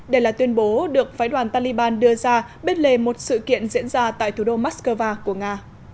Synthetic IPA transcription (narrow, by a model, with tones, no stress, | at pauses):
ɗe˧˩jlaː˨˩t̪wi˧ənɓo˨˦ɗɨ˨˩ək̚faː˨˦jɗwaː˨˩nt̪aː˧li˧ɓaː˧nɗɨ˧əzaː˧ɓe˧nle˨˩mo˨˩t̚sɨ̰˧˨kḭ˧˨ənzḭ˧˥ənzaː˧t̪a̰ː˧˨jt̪ʰu˨˧˩o˧maː˦˥skəː˧vaː˧ku˧˩əŋaː˧